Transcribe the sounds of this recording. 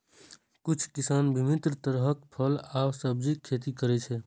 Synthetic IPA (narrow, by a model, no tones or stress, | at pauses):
kut͡ʃʰkisanbʱimit̪ɾət̪əɾɦəkpʰəlabsəb̚d͡ʒikʰːet̪ikəɾɛt͡ʃʰɛ